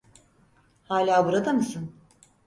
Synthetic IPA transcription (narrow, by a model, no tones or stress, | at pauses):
haːlʲaːbuɾad̪amɯsɯn